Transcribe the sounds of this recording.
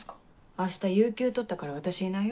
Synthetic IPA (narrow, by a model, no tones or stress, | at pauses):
aɕi̥t̪ajɯ̟ːkʲɨːt̪o̞t̪ːakaɾaβ̞at̪aɕiina